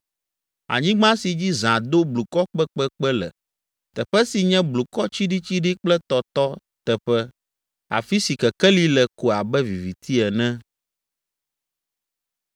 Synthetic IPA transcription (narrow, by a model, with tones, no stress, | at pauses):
a̰˨ɲĩ˦ɡ͡bã˦si˨d͡ʑi˦zã˨d̪o˦blu˨kɔ˦k͡pɛ˦k͡pɛ˦k͡pɛ˦lɛ̰˨ | t̪ɛ˨ɸɛ˦si˨ɲɛ̃˦blu˨kɔ˦t͡ɕi˦ɖi˦t͡ɕi˦ɖi˦k͡plɛ˦t̪ɔ˨t̪ɔ˦ | t̪ɛ˨ɸɛ˦ | a̰˨fi˦si˨kɛ˨kɛ˦li˦lɛ˨ko˨a˨bɛ˦vi˨vi˨t̪i˦ɛ˨nɛ̃˦